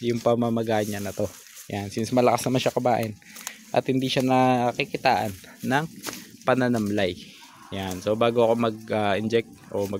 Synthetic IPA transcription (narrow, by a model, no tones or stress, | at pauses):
jʊŋpɐmamɐɡaːɲɐnɐt̪o̞ | jansɪnsmɐlɐkasnɐmanʃakɐbaːʔɪn | ʔɐ̰t̪hɪnd̪iʃanɐkɪkɪt̪aːʔɐnː | ɐŋpɐnɐnɐmlaj | janso̞baːɡoʔɐko̞mɐɡ̚aʔɪnd͡ʒɛk̚t̪̚ʔomɐ